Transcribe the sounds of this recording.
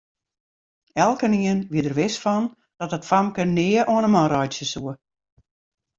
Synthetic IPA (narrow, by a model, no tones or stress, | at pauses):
ɛlˠkəniənʋiədərʋɪsfɔn | d̥ɔtətfamkənɪəʔoənəmɔnrɔjtsjəsuə